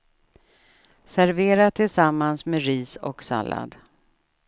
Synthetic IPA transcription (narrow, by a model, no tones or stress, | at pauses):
sæɾveːɾat̪ʰɪlsamːansmeɾiːsɔksa̰lːa̰d̪